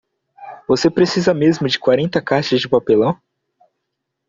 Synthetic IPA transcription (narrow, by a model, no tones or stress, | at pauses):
vosepɾesizɐmezmʊd͡ʒɪkwaɾẽnt̪ɐkaɾʃɐzd͡ʒɪpapelɐ̃w̃